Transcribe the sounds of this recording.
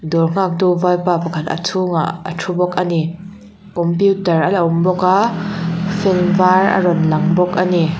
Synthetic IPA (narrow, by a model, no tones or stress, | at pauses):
dɔrŋ̥ak̚duvajpapɐkʰat̪ɐ̰tʰuŋa̰ə̰tʰubɔkʔani | kɔmpjutɐralaʔʊmbɔka | fʰinvarɐ̰ɾɔnlɐŋbɔk̚ʔani